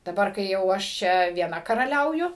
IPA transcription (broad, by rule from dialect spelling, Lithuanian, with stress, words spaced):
dɐˈbɐr kɐɪ ˈjɛʊ ɐʃ ˈt͡ʃʲɛ ʋʲiɛˈnɐ kɐrɐˈlʲɛʊjʊ